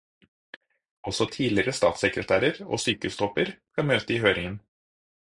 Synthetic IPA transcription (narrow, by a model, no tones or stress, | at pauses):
ɔsɔt̪ʰiːlɪəɾəst̪ɑ̰ːt̪sɛkɾət̪ʰæːɾəɾo̰ːsyːkəʉst̪ʰɔpəɾskɑmøːt̪əiːhøːɾɪŋən